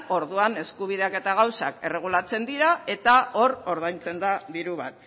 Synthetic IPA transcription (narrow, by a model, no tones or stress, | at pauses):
o̞ɾðuane̞skuβ̞iðe̞ake̞t̪aɣ̞awsa̰ke̞re̞ɣ̞ulat͡se̞nd̪iɾae̞t̪ao̞ɾo̞ɾðajnt͡se̞nd̪aðiɾuβat̪̚